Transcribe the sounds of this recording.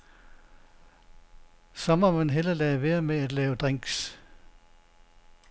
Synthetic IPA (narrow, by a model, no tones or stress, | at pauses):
sɒ̽mɒmænɦelɐlɛʋeːɐmeæd̥lɛːʊd̥ʁeŋ̰ɡ̥s